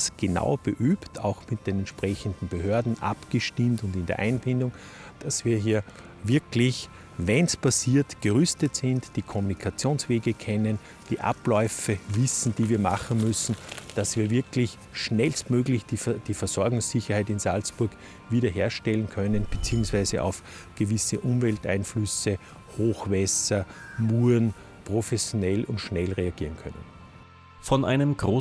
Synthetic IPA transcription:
sɡ̥əna̰ʊb̥əʔyːptʰa̰ʊxmɪt̚d̥enɛntʃpʁ̥ɛçəndn̩b̥əɦøːɐdn̩ʔa̰pɡ̥əʃtɪmtʊndɪndḛɐʔa̰ɪnfɪndʊŋ | d̥asv̥iːɐɦiːɐ | vɪɐklɪç | vɛnspʰasiːɐtɡ̥əʁʏstətsɪntd̥iːkʰɔmunikʰat͡sjõːnsveːɡəkʰɛnən | d̥iːʔa̰plɔʏfəvɪsn̩d̥iːviːɐma̰χn̩mʏsn̩d̥asv̥iːɐvɪɐkʰlɪç | ʃnɛlstmøːɡlɪçd̥d̥iːfɛɐsɔɐɡʊŋssɪçɐhaɪtɪnzalspʊɐɡ | viːɾɐɦeːɐʃtɛlənkʰœnənb̥et͡siːʊŋsv̥aɪzəʔa̰ʊf | ɡ̥əvɪsəʔʊ̃mvɛlta̰ɪnflʏsə | hoːxvɛsɐmuːɐn | pʁ̥ofɛsjonɛlʊntʃnɛlʁeaɡ̥iːʁənkʰœ̰nə̰n | fɔnʔa̰ɪnəmɡ̥ʁoː

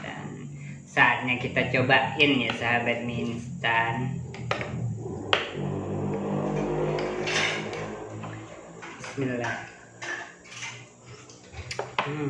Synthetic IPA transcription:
da̰n | saat̪̚ɲakit̪at͡ʃobaʔinjasaɦabat̪̚minst̪an | smila

